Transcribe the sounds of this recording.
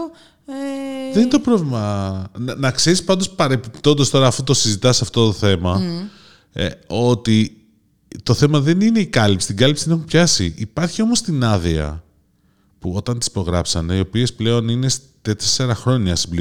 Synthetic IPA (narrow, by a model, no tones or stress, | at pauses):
ðeninet̪opɾovlimɐ | nɐkse̞ɾispɐnd̪ospɐɾe̞pipt̪o̞nd̪o̞st̪o̞ɾɐːfot̪o̞sizit̪ɐsɐft̪ot̪oθe̞mɐ̰ | o̞t̪i | t̪o̞θe̞mɐðe̞nine̞ikɐlipsi̥t̪iŋɡɐlipsiðee̞xumpçɐsḭʔipɐɾçio̞mo̞st̪inɐðiɐ̰ | puo̞t̪ɐnt̪i̥spo̞ɣɾɐpsɐneio̞pie̞sple̞o̞nine̞st̪et̪eseɾɐxɾo̞ɲɐsibli